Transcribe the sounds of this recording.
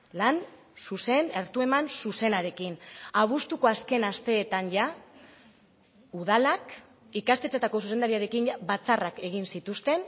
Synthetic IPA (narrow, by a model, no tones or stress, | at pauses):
lan | suse̞neɾt̪ue̞mansuse̞naɾe̞kinaβ̞ust̪uko̞aske̞nast̪e̞ːt̪anʝa | uðalak | ikast̪e̞t͡set̪ako̞suse̞nd̪aɾiaɾe̞kinʝaβat͡sarake̞ɣ̞insit̪ust̪e̞n